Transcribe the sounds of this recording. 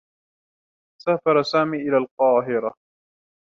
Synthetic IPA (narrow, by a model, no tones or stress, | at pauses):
saːfɑɾˤɑsaːmiːʔɪlaːlqɑːɦɪɾa